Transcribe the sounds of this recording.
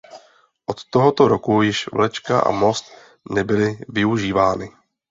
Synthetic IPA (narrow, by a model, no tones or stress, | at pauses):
ʔot̪ːoɦot̪oɾokujɪʃvlɛt͡ʃkaʔa̰mo̞st̪ | nɛbɪlɪvɪuʒiːvaːnɪ